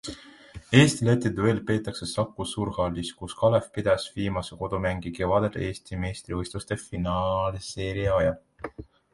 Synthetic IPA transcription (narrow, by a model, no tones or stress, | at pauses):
e̞ːst̪ilet̪ːed̪uelpe̞ːt̪ːˑɑkse̞sɑkːusuːɾhɑlʲːiskuskɑlefpid̪̥ɑsviːmɑseko̞d̪̥umæŋɡike̞vɑd̪̥ed̪e̞ːst̪imeːst̪ɾivɤjst̪ust̪e̞finɑlseːɾiɑjɑ